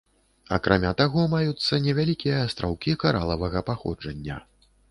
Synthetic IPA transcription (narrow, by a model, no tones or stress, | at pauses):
ɐkɾʔamʲat̪aɣɔmajut̪sːɐnʲɛvʲalʲikʲijɐːst̪ɾʔawkʲikaɾʔa̰lˠɐvɐɣɐpaxɔ̰d͡ʐɐnʲːɐ̰